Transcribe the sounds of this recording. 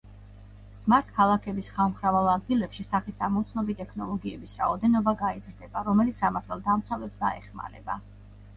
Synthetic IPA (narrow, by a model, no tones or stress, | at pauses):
smaɾt̪ʰkʰalˠakʰɛbisχalˠmχɾavalˠad̪̚ɡilɛpʃisaχisamɔt̪sʰnɔbit̪ʼɛkʰnɔlˠɔɡiɛbisɾa̰ɔd̪ɛnɔbaɡaizɾd̪ɛb̥aɾɔmɛlit̪ssamaɾt̪ʰalˠd̪amt̪sʰavlɛpsɡ̪a̰ɛ̰χma̰ɾɛ̰ba